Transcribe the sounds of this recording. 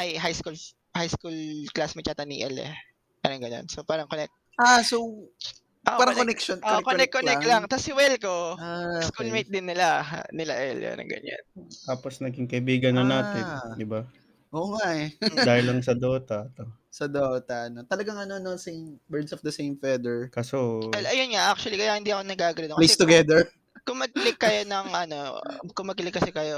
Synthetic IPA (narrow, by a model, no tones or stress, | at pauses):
ʔɐjɦajskul | hajskulklasmɪt͡ʃat̪ɐnḭʔɛlɛ̰ | paːɾɐŋɡɐno̞̰nsopaːɾɐŋkonɛk̚t̪̚ʔaso | pʔoʔpaɾɐŋk̪onɛkʃonʔoʔkoɛkkːoɛklaŋt̪ɐsɪwɛlkoaskulmejt̪̚d̪ɪnːɪla̰nɪlɐ̰ʔɛljo̰nɐ̰ŋɡɐ̰ɲa̰nt̪aːposnɐɡɪŋkɐʔɪbiːɡɐnːɐnaːt̪ɪnd̪ɪba | ʔoːŋaʔɛdaːhɪlːɐŋsɐd̪oːt̪ɐt̪o | sɐd̪ot̪ɐɐnot̪ɐlɐɡaŋɐnoɐnosejmbɛɹd̪sɔfd̪ɐsẽjmfɛd̪ɛɹkɐsoʔɛlʔɐjonŋaʔak̚t͡ʃʊɐlikɐjahɪnd̪iʔɐkonɐɡaːɡɐlɪd̪lest̪ʊɡɛd̪ɛɹ | kʊmɐɡ̚lɪkːɐjo̞nɐŋʔɐno̞kʊmɐɡ̚ɪlɪkːɐsɛkɐjo̞